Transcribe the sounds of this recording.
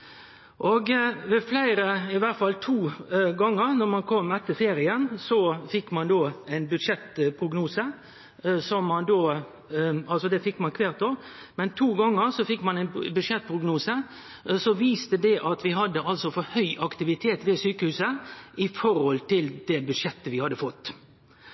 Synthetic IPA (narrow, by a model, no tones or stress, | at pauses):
ʔoɡʋɛflæɪɾəɪʋæt̪fɑlt̪ʰuːɡɑŋːəɾnɔɾmɑnkʰɔmːɛt̪ːəfeːɾɪənsɔfɪkːmɑnd̪oːæɪnbʉd̪ʂɛt̪pʰɾʊɡnuːsə | sɔmːɑnd̪oː | ɑlsɔd̪ɛfɪkːmɑnkʰʋeːʁt̪o | mɛnt̪ʰuːɡɑŋːəɾsɔfɪkːmɑnæɪnbʉd̪ʂɛt̪̚ːpʰʁʊɡnuːsə | sɔʋiːst̪əd̪ɛʔɑt̪ʋɪɦɑd̪ːəɑlsɔfɔɾhœʏʔɑkt̪ɪʋɪt̪ʰeːt̪ʋeːsyːkəhʉːsəʔɪfɔɾɔlt̪ɪld̪̥ɛbʉd̪ʂɛt̪ːəʋɪhɑd̪ːəfɔt̪ː